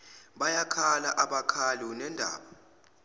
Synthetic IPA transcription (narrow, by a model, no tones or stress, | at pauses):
ɓajakʰalaʔaɓakʰalunɛndʱa̰ːɓa